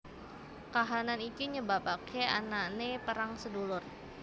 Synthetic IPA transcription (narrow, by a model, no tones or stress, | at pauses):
kaɦananit̪uɲəbapakʰeananepəɾaŋsədulʊr